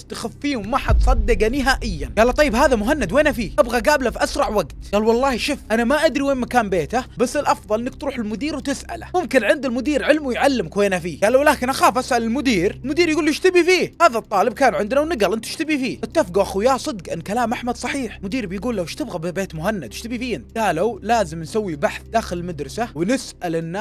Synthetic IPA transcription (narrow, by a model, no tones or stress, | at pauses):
st̪axafːiːwmaħat̪sˤɑd̪ːɪɡanɪɦaːʔɪjːanɡaːlːɑt̪ˤɑjːɪbhaːðamʊɦanːad̪weːnafiːʔabɣaɡaːblafʔasɾˤɑʕwaɡt̪ɡaːlwɑlˤːɑːhʃʊfʔanamaʔad̪ɾiweːnmakaːmbeːt̪abasːɪlʔɑfðˤɑlʔɪnːɪk̚t̪ɾuːħɪlmʊd̪iːɾwt̪ɪsʔa̰la̰mʊmkɪnʕɪnd̪ɪlmʊd̪iːɾʕɪlmwʊjʕalːɪmkweːnafiːɡaːlːawlaːkɪnʔaxaːfʔasʔalɪlmʊd̪iːɾlmʊd̪iːɾjɡuːlːɪʃt̪abifiːhaːðat̪ˤːɑːlɪb̚kaːnʕɪnd̪nawnɪɡalʔɪnt̪ɪ̥ʃt̪abifiːʔɪt̪ːafɡaʔaxujaːsˤɨd̪qʔɪnːkalaːmʔaħmad̪sˤɑħiːħmʊd̪iːɾbɪjɡuːlːawʃt̪ɪbɣabɪbeːt̪mʊhanːad̪ɪʃt̪abifiːɪnɡaːlawlaːzɪmnsawːibaħθd̪aːxɪlɪlmad̪ɾˤɑsawɪnɪsʔalʔɪnːa